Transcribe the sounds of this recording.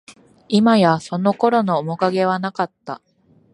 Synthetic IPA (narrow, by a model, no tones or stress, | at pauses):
imajaso̞no̞ko̞ɾo̞noːmo̞kaɡe̞β̞anakat̪ːa